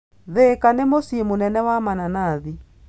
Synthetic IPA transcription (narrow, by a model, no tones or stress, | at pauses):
ðekanemosiemonɛnɛwamananaði